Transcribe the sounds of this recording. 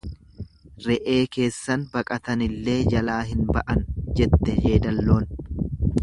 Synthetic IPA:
ɾɛʔe̞ːke̞ːsːɐnbɐkʼɐt̪ɐnɪlːe̞ːd͡ʒɐlaːɦɪnbɐʔɐnd͡ʒɛt̪ːɛhe̞ːd̪ɐlːo̞ːn

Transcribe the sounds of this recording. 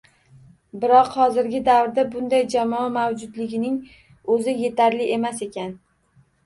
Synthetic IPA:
bɪɾɒqhɒzɪɾɡʲɪd̪awɾd̪abʊnd̪ajd͡ʒamɒamawd͡ʒʊd̪lɪɡʲɪnɪŋ | ɵzɪje̞t̪ʰaɾlɪʔe̞mase̞kʲʰan

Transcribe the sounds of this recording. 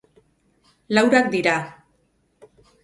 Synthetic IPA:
lawɾak̚d̪iɾa

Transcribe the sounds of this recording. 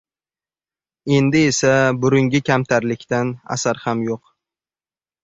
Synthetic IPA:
e̞nd̪ɪe̞sabʊɾʊŋɡʲɪkʲʰamt̪ʰaɾlɪkʲt̪ana̰saɾhamjoq

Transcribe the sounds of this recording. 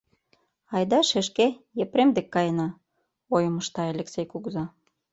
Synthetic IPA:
ɑjd̪ɑʃeʃkejepɾemd̪ekːɑjənɑ | ojə̆mə̆ʃt̪ɑelʲeksejkuɡzɑ

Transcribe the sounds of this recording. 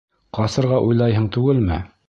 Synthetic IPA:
qɑsɤ̆ɾʁɑʔujlˠɑjɦɤɴt̪ʉɡɘlmɘ̰

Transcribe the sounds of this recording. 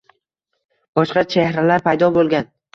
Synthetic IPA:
b̥ɒʃqɑt͡ʃʰehɾalaɾpʰajd̪ɒbolˠɡʲan

